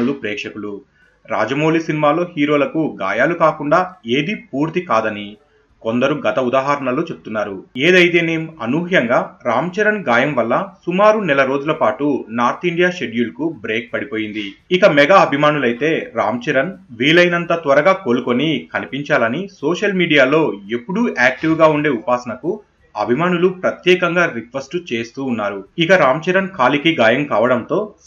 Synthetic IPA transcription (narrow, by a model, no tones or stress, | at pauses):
ulupɾɛːkʂɐkulu | ɾa̰ːd͡ʒɐmo̞ːlisinimaːlo̞ːhiːɾo̞ːlɐkuɡa̰ːjaːlukaːkuɳɖaːe̞ːd̪ipuːɾt̪ikaːd̪ɐni | kond̪ɐɾuɡɐt̪ɐud̪aːɦaɾɐɳɐlut͡ʃe̞bu̥t̪unːaːɾueːd̪ɐjt̪e̞ːneːmuɐnuːɦjɐŋɡaːɾaːmt͡ʃɛɾɐnɡaːjɐmʋɐlːɐsumaːɾunɛlɐɾoːd͡ʒulɐpaːʈunaːɾt̪iɳɖijaːʃe̞ɖjulkubɾe̞ːk̚pɐɽipo̞ːjind̪iikɐmɛɡaːɐbʱimaːnulɐjt̪e̞ːɾa̰ːmt͡ʃɛɾɐnʋiːlɐjnɐnt̪ɐt̪ʋɐɾɐɡaːkoːlukonikɐnipiɲt͡ʃaːlɐnisoːʃɐlmiːɽijaːlo̞ːepːuɽuaːk̚ʈiʋɡaːuɳɖe̞ːupaːsɐnɐku | ɐbʱimaːnulupɾɐt̪jɛːkɐŋɡaːɾikʋɐsʈt͡ʃe̞ːst̪uːnːaːɾuikɐɾaːmt͡ʃɛɾɐnkʰaːlikiɡaːjɐmkaːʋɐɽɐnt̪o̞ː